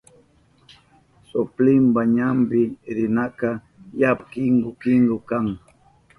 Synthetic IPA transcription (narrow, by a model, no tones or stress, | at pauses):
sʊplɪmbaɲambɪɾɪnaka | japkɪŋɡʊkɪŋɡʊkaŋ